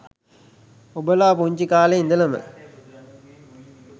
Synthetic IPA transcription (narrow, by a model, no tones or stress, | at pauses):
obəlaːpuɲt͡ʃikaːleind̪əlɐmə̰